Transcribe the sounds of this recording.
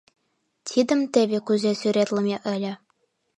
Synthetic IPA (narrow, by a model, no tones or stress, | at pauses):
t̪ʲʰid̪ɘ̆mt̪eβʲekuzesyɾet̪lʲɤ̆mʲeʔɘ̆lʲɘ̆